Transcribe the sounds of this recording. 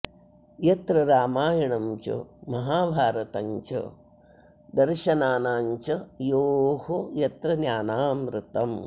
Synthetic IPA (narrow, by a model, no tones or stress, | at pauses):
jɐt̪ɾɐɾaːmaːjɐɳɐmt͡ʃṵmɐɦaːbʱaːɾɐt̪ɐɲt͡ʃɐ̰ | d̪ɐɾʃɐnaːnaːɲt͡ʃɐjoːhojɐt̪ɾɐnjaːnaːmɾɪt̪ɐm